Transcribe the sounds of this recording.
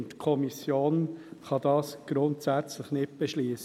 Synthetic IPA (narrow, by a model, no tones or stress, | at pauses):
ntkʰɔmisjoːnχɑd̪ɑːsɡ̥ɾʊntsæt͡slɪχnɪt̚b̥eʃliːəs